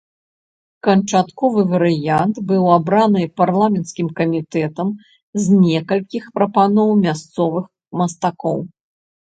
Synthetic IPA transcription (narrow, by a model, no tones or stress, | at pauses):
kɐnt͡ʂat̪kɔvɨvɐɾɨjant̪bɨwabɾanɨparlˠamʲɛnt̪skʲimkɐmʲit̪ɛt̪ɐm | zʲnʲɛkɐlʲkʲixpɾɐpanɔwmʲast̪sɔvɨx | mɐst̪akɔw